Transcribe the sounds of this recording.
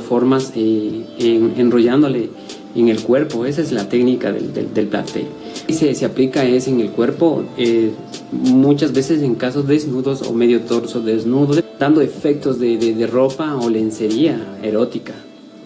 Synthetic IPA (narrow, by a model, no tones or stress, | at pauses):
foɾmaseeŋenroʝand̪o̞le | eŋelkwe̞ɾpo̞e̞s̬aezlat̪eknikaðḛld̪ḛd̪elpla̰t̪ḛl | seseaplikaeseŋelkwe̞ɾpo̞e | mut͡ʃazbe̞ses̬e̞ŋkaso̞zðeznuðo̞so̰me̞ðjot̪o̞ɾsoðeznuðod̪̥and̪oe̞fek̚t̪o̞zðeðeðero̞paolense̞ɾiaḛɾo̞t̪ika